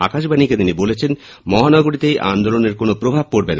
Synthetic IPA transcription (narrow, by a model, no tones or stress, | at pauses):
a̰kaʃbaniket̪inibolet͡ɕʰen | mɔɦanɔɡoɾit̪ejʔa̰nd̪oloneɾkonopɾobʱab̚koɾbena